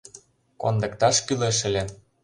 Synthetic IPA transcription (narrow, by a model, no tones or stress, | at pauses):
kond̪ə̆kt̪ɑʃkyleʃə̆lʲe